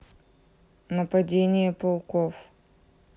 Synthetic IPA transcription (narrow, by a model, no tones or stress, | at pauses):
nəpɐdʲenʲɪjəpɐlˠkof